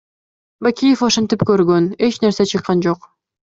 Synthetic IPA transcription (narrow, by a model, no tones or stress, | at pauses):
bakʲijefoʃant̪ipkøɾɡøne̞t͡ʃneɾse̞t͡ʃʰɯqːɑnd͡ʒoq